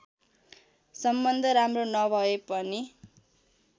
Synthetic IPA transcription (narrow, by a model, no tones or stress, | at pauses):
sʌmbʌnd̪ʱʌɾamronʌbʱʌepʌni